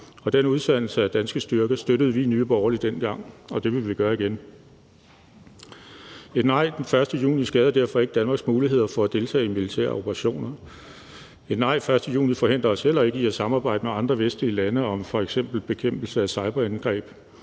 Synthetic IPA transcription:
ɒ̽d̥enuðˠd̥æn̰l̩səæd̥ænsɡ̥əsd̥yɐɡ̥əsd̥øɾ̥əð̞̩ˠʋinyːb̥ɒʊɐlid̥en̰ɡ̥ɑ̈ŋ̰ɒ̽d̥e̝ʋe̝ʋiɡ̥ɶːɐiɡ̥en | e̝dnɑ̈ɪ̰d̥enfɶɐsd̥əjṵːnisɡ̥ɛːð̞ˠɐdæɐ̰fɒ̽e̝ɡ̥əd̥ænmɑ̈ːɡ̥smuːliɦe̝ð̞̰ˠɐfɒ̽æd̥e̝lt͡sʰɛ̰ːimilit͡sʰæ̰ːɐo̝pʰəʁɑ̈ɕo̝̰ːnɐ | e̝d̥nɑ̈ɪ̰fɶɐsd̥əjṵːnifɒ̽he̝n̰d̥ɐɒ̽sel̰ɒe̝ɡ̥əiɒsɑ̈mɑ̈ːbɑ̈ɪ̰d̥əmeɑ̈nd̥ʁɐʋesd̥liəlænəɒ̽mfɒ̽eɡ̥sem̰b̥l̩b̥e̝kʰem̰b̥l̩səæsɑ̈ɪb̥ɐænɡ̥ʁɛ̰ːb̥

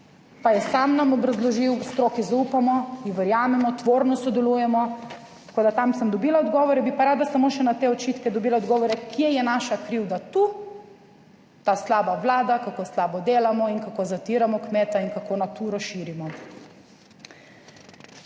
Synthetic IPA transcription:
pajɛsamnamɔbɾazlɔʒiwst̪ɾoːkizaupamɔiʋɛɾjaːmɛmɔt̪ʋoːɾnɔsɔd̪ɛluːjɛmɔ | t̪ḁkoːd̪at̪amsəmd̪ɔbiːlaɔd̪ɡɔʋɔɾɛbipaɾaːd̪asamoʃɛnat̪eːɔt͡ʃiːt̪kɛd̪ɔbiːlaɔd̪ɡɔːʋɔɾɛkjɛjɛnaːʃakɾiwd̪at̪uː | t̪aːslaːbaʋlaːd̪akakoːslaːbɔd̪eːlamɔinkakoːzat̪iːɾamɔkmeːt̪ainkakoːnat̪uːɾɔʃiːɾimɔ

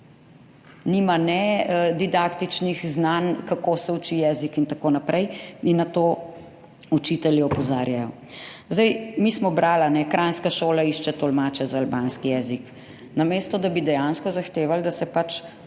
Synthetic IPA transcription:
nimanɛd̪id̪akt̪it͡ʃnixznankakoːsɛut͡ʃijɛːzikint̪akoːnapɾʔɛjinːat̪oː | ut͡ʃit̪ɛljɛɔpɔzaːɾjajɔ | zd̪ɛjmiːsmɔbɾʔaːlanɛkɾʔanskaʃoːlaiːʃt͡ʃɛt̪ɔlmaːt͡ʃɛzaːlbanskijɛzik | namest̪ɔd̪abid̪ɛjanskɔzaxt̪eːʋald̪asɛpat͡ʃ

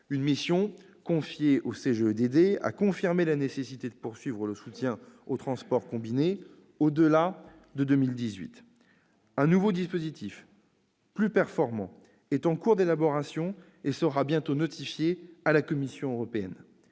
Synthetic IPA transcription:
ynmisjɔ̃ | kɔ̃fjeʔoseʒeød̪ed̪ea̰kɔ̃fiʁmelanesesit̪ed̪əpuʁsɥivʁələsut̪jɛ̃ot̪χɑ̃spɔʁkɔ̃bine | od̪əla | d̪əd̪ømild̪izɥḭt̪ | ɛ̃nuvod̪ispozit̪ʰif | plypɛʁfɔʁmɑ̰̃ | ɛt̪ɑ̃kuʁd̪elabɔʁasjɔ̃ | esəʁabjɛ̃t̪onɔt̪ʰifjealakɔmisjɔ̃øʁɔpeɛn

